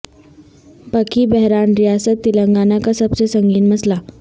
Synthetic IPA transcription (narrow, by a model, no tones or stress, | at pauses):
pəkʰiːbɛɦɾanɾijasət̪ːiləŋɡanakasəbsesəŋɡiːnməsla